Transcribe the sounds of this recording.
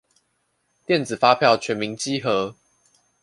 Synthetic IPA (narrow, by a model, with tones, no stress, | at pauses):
t̪jɛ˥˨nd͡zɹ̩˨˩fa˦pʰjɑ˥˨ʊt͡ɕʰɥɛ˨˦nmi˨˦ŋt͡ɕi˦xɤ˨˦